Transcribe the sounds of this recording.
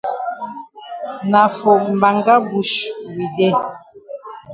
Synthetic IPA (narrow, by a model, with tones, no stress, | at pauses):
na˨fo˨ʔm̩˨ba˨ŋɡa˦bu˨ʃwi˨dɛ˦˨